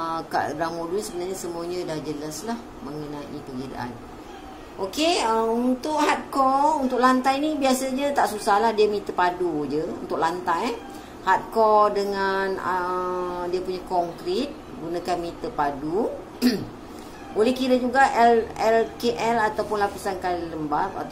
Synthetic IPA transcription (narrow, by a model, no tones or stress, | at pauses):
əka̰ʔɾaŋmoduisəbənarɲasəmuaɲədahd͡ʒəlaslah | mə̃ŋənãʔipəɡida̰ʔa̰n | ʔokeəunt̪ʊʔhat̪̚kɔrunt̪ʊk̚lant̪ajnibiasad͡ʒət̪aʔsusahlahdiamit̪əpadud͡ʒəṵnt̪ʊʔ̚lant̪aj | hat̪̚kɔdəŋanə | diapuɲakɔŋkɾit̪̚ | ɡunakanmit̪əpadu | bolɛhkiɾəd͡ʒuɡaʔɛlɛlkeʔɛlat̪awpʊnlapisankaliləmbap̪̚a̰